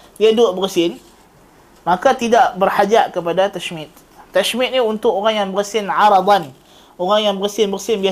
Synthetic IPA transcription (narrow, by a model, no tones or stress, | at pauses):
diadʊʔbəɾsɪn | mãkat̪idaʔbərhad͡ʒaʔkəpadat̪aʃmɪt̪̚ː | aʃmɪt̪̚niunt̪ʊkoɾaŋjaŋbəɾəsɪnʕaɾɑd̪ˤan | oɣaŋjaŋbəɾsɪnbərsɪnbia